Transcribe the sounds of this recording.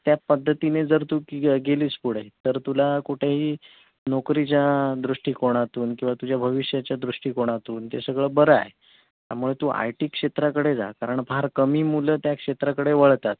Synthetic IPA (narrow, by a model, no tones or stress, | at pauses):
t̪japəd̪ʱːət̪ined͡zəɾt̪uːɡeliːspuɽ̤et̪əɾt̪ulakuʈʰeɦiː | nokɾit͡ɕjad̪ɾuʂʈiːkoɽ̃at̪uːnkĩw̃ʋat̪ud͡ʑjabʱəʋiɕjat͡ɕjad̪ɾuʂʈiːkoɽ̃at̪uːnt̪esəɡɭəbəɾəa̰j | t̪ja̰muɭet̪uːʔa̰jʈiːkʂet̪ɾakəɽed͡za̰kaɾəɳbaɾkəmiːmulət̪jakʂet̪ɾakəɽeʋəɭt̪at̪̚